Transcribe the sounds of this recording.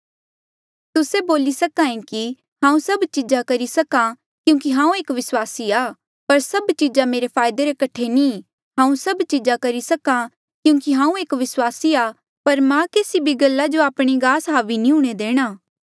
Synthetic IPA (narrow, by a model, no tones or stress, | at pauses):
t̪ʊseboːlisɐkaĩki | ɦãːũsɐbt͡ʃid͡ʒakɐɾisɐkã | kjũːk̬iɦãːũeːkʋɪswaːsiaː | pɐɾsɐbt͡ʃid͡ʒameːɾepʰaːjd̪eɾekɐʈʰenĩː | ɦãːũsɐbt͡ʃid͡ʒakɐɾisɐka | kjũːk̬iɦãːũeːkʋɪswaːsiaː | pɐɾmãkeːsibʱiɡɐlːad͡ʒoaːpɽ̃iɡaːsɦaːʋinĩɦuɽ̃ed̪eːɽ̃aː